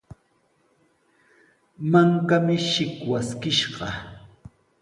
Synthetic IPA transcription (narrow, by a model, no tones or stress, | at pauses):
maŋkamɪʃɪkwaskɪʃɢɑ